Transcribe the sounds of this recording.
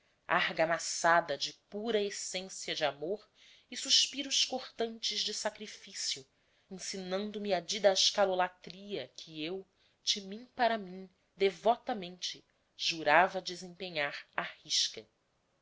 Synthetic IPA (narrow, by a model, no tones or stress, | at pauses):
a̰ɾɡɐmasad̪ɐd͡ʒɪpuɾɐesẽsjɐd͡ʒɪamoɾ | ɪsuʃpiɾʊʃkoχt̪ɐ̃nt͡ʃɪʒd͡ʒɪsakɾifisiʊ | ẽsinɐ̃nd̪ʊmiɐd͡ʒid̪ɐɪʃkalolat̪ɾiɐkʰɪew | d͡ʒɪmĩpaɾɐmĩ | d̪evɔt̪ɐmẽnt͡ʃɪ | ʒuɾavɐd͡ʒɪzẽpeɲaɾahiʃkɐ